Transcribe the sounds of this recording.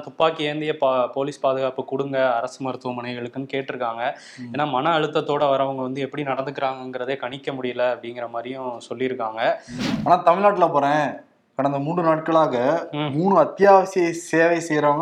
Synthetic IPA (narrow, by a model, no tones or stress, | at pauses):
t̪ʊpːaːkːɪeːnd̪ɐjɐpapoːlɪspaːðɯɣaːpɯkʊɽɯŋɡɐɐɾɐsɯmɐɾɯt̪ːʋɯmɐɳɐɪɣɐɭɯkːɯmkeːʈːɪɾɯkːaːŋɡɐ | eːnːaːmɐnɐɐɻɯt̪ːɐt̪ːoːɽɐʋɐɾɐʋɐŋɡɐʋɐnd̪ɯɛpːɐɽinɐɽɐnd̪ɯkːɪɾaːŋɡɐɛnɡɪɾɐðeːkɐɳɪkːɐmʊɽɪjɐlːɐɐbɽɪŋɡɪɾɐmaːd̪ɾɪjʊ̃sɔlːɪɪɾɯkːaːŋɡɐaːnaːt̪ɐmɪɭnaːʈːɪlɐpoːɾẽː | kɐɽɐnd̪ɐmuːɳɖɯnaːʈ̚kɐɭaːɣɐmuːɳɯɐt̪jaːʋɐsɪjɐseːʋɐɪsɛjɾaːŋɡ